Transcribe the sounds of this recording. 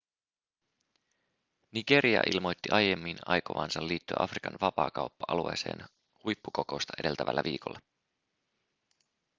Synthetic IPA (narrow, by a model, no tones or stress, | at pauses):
niɡe̞ɾiɑ̰ʔilmo̞jt̪ːiʔɑje̞mːinɑ̰jkoʋɑːnsɑlːiːt̪ːyæ̰ʔɑfrikɑnʋɑpɑːkɑwpːɑʔɑlue̞̰ːse̞̰ːn | hujpːuko̞ko̞st̪ɑ̥e̞de̞lt̪æʋʔælːæʋiːko̞lːɑ